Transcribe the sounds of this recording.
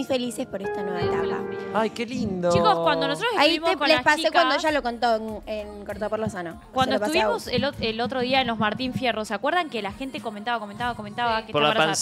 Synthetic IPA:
ujfe̞lisespoɾest̪anweβed̪ala̰ajkelind̪ot͡ʃikoskkwand̪onosot̪ɾoesaiβimokonleapast͡ʃiekwand̪oʒalokont̪oenenkoɾt̪apoɾlosanokwanddoesp̪uβimo̞seloelot̪ɾoðiaenlo̞zmaɾt̪iɱfje̞rosakweɾðaŋkelaxent̪ekomẽnt̪aβakoment̪aβakome̞nt̪aβake̥poɾalaaɾaans

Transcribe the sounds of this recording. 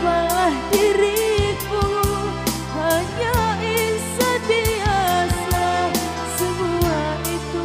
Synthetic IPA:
balahdiɾiku | baɲainsədiasa | səmua | it̪u

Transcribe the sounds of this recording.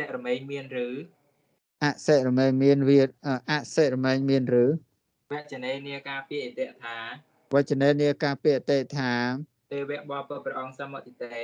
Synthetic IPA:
ɛʔrɔmɛːɲmiənrɨː | ʔaʔsɛːʔrɔmɛːɲmiənʋiət̪̚ʔəːʔaʔsɛːʔ̚rɔmɛːɲmiənrɨː | ʋɛ̆əʔt͡ɕəneːniəkaːpiəʔit̪ɛ̆əʔt̪ʰaː | ʋɛt͡ɕəneːniəkaːpiəʔt̪ɛːʔt̪ʰaː | t̪eːʋɛəʔɓɑːpəprɛʔɑŋsamot̪it̪eː

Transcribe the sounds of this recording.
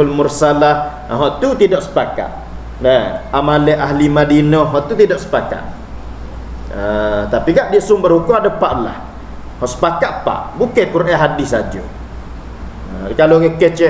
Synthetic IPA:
lmʊrsalah | ɦɔʔt̪ut̪idɔʔsə̥paka̰t̪̚ | nɛamalɛʔaɦlimadinɔɦɔʔt̪ut̪idɔʔsə̥paka̰t̪̚ | ət̪apiɡaʔdiəʔsʊmbərhukʊmadəpaʔla̰h | hɔʔsə̥pakat̪̚pa̰ʔbukekurʔɛɦadɪsad͡ʒo̰ | əkaloɣekət͡ʃɛ

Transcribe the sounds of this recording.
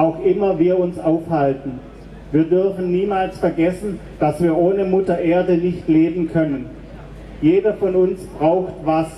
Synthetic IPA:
ʔaʊxʔɪmɐviːɐʊnsʔaʊfhaltn̩ | viːɐdʏɐfn̩niːmaːlsfɛɐɡɛsn̩ | d̥asv̥iːɐʔoːnəmʊtɐʔeːɐdənɪçtleːbm̩kʰœnən | jeːdɐfɔnʊnsb̥ʁaʊxtvas

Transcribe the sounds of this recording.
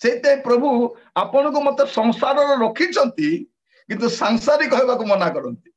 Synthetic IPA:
seit̪eɦẽpɾɔbʱu | apɔɽ̃ɔ̃ŋk̬umɔt̪ɔsɔŋsaɾɔɾɔɾokʰit͡ʃʰɔnt̪i | kint̪usaŋsaɾikɔɦebakumɔnakɔɾɔnt̪i̥

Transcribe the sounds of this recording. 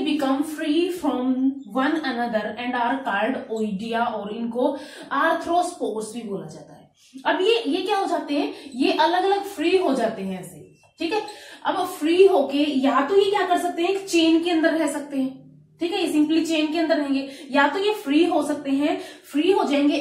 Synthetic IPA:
bɪkəmfɾiːfɾɔmʋɐ̃nɐnɐd̪əɾɛ̃ɳɖaːəɾkaːɾɖoːɪɖijaʔɔːɾɪnkoaːɾt̪ʰɾospoːɾsbʱiboːla̰d͡ʒa̰ːt̪a̰ɦɛː | ɐbjejekjaːɦod͡ʒaːt̪eɦɛ̃jeʔɐləɡɐləɡfɾiːɦod͡ʒaːt̪eɦɛ̃ɛːsḛ | ʈʰiːkɦɛɐbfɾiːɦoːkejat̪ojekjaːkɐɾsɐk̚t̪eɦɛ̃ki̥t͡ʃeːnkeɐ̃nd̪əɾbʱɛːsɐk̚t̪eɦɛ̃ː | ʈʰiːkɦɛjesɪ̃mplit͡ʃeːnkeɐ̃nd̪əɾnɐɦẽːŋɡejat̪ojefɾiːɦosɐk̚t̪eɦɛ̃fɾiːɦod͡ʒaːẽːŋɡe

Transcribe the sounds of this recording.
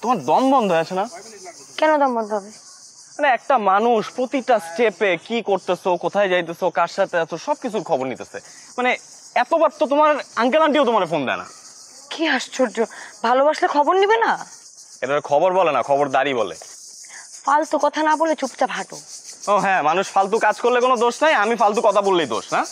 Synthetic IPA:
t̪omaɾd̪ɔmbɔnd̪ʱoɦeat͡ɕʰena | kɛnod̪ɔmbɔnd̪oɦɔbe | maneɛk̚ʈamanuʃpɾot̪iʈasʈepekikoɾt̪esekot̪ʰaed͡ʑajt̪̬esekaʃat̪easʰeʃɔb̚kit͡ɕʰuɾkʰɔboɾnit̪esʰe | mane | ɛt̪obaɾ̚t̪ot̪omaɾaŋk̬elaɳʈ̬iot̪omaɾefond̪ɛ̰ḛna̰ | kiaʃt͡ɕʰod͡ʑobʱalobaʃlekʰɔboɾnibena | eɾaɾkʰɔboɾbolenakʰɔboɾd̪aɾibolḛ | falt̪ukɔt̪ʰanabolet͡ɕupt͡ɕabʱaʈooɦɛ̃manuʃfalt̪̬ukad͡ʑkoɾlekonod̪oʃnajamifalt̪ukɔt̪ʰabolːejd̪o̰ʃna

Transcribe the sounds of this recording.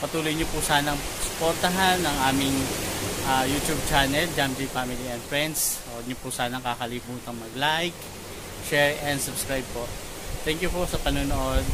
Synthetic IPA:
pɐt̪uːlojɲopʊsaːnɐŋsʊ̥poɾt̪ɐɦanːɐŋʔaːmɪŋʔajut̪jub̚t͡ʃanɛld͡ʒamd̪ifamɪliɛnd̪fɹɛnd̪s | ɐd̪̚ɲopʊsaːnɐŋkaːkɐlimuːt̪ɐŋmɐɡlajk | ʃɛɹɛnd̪sʊbskɹajb̚poʔ | t̪ɛŋkjʊposɐpɐnoːnoʔod̪

